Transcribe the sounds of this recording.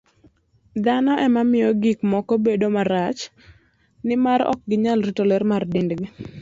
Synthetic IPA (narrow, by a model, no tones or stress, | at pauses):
d̪anɔʔɛmamɪjɔɡikmɔkɔbedomaɾat͡ʃ | nɪmaɾɔ̰k̚ɡɪɲalritolɛrmardɪndɡi